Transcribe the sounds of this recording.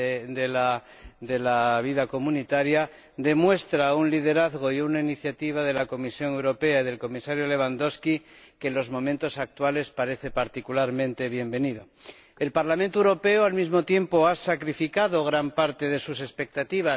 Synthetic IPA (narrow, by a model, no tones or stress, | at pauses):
d̪ela | d̪e̞laβ̞iðako̞munit̪aɾja | d̪e̞mwe̞st̪ɾaunliðe̞ɾaðɣoiunainiθjat̪iβ̞aðe̞lako̞misjo̞ne̞wɾo̞pe̞aiðe̞lko̞misaɾjo̞le̞β̞and̪o̞skike̞nlo̞zmõ̞mẽnt̪o̞sak̚t̪wale̞spaɾe̞θe̞paɾt̪ikulaɾmẽnt̪e̞β̞je̞mbe̞niðo̞ | e̞lpaɾlamẽnt̪oewɾo̞pe̞oalmizmo̞t̪je̞mpo̞asakɾifikaðo̞ɣ̞ɾampaɾt̪e̞ðe̞sus̬e̞spe̞k̚t̪at̪iβ̞a